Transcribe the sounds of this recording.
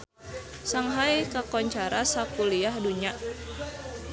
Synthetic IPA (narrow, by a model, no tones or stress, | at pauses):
saŋɦajkakɔɲt͡ʃaɾasakuliahduɲa